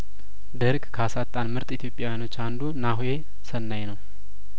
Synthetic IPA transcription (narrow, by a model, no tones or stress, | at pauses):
d̪əɾɡkʰasat̪ʼːanmɨɾt̪ʼit̪ʰjo̞pʼjawjanot͡ʃːand̪unaɦje̞ | sənːajnəw